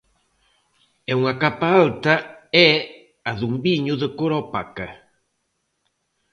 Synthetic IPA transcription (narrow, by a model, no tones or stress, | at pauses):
ɛuŋakapaalt̪aɛ | aðumbiɲuðəkoɾopaka